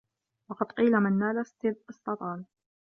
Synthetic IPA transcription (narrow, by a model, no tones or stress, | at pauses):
wɑqɑd̪qiːlamɪnːaːlast̪ɪɨsˤt̪ɑt̪ˤɑːl